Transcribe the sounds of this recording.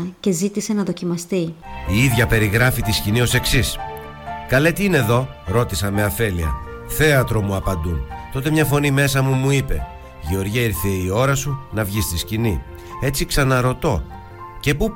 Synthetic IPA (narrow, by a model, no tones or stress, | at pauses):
ce̞zit̪ise̞nɐðo̞cimɐst̪iiiðʝɐpe̞ɾiɣɾɐfit̪iscinio̞se̞ksis | kɐle̞t̪iine̞ðo̞ | ɾo̞t̪isɐme̞ɐfe̞liɐ̰ | θe̞ɐt̪ɾo̞muɐpɐnd̪unt̪o̞t̪e̞mɲɐfo̞nime̞sɐmumuipe̞̰ | ʝeo̞ɾʝiɐiɾθeio̞ɾɐsunɐvʝist̪iscini | e̞t͡siksɐnɐɾo̞t̪o̞ | ce̞pu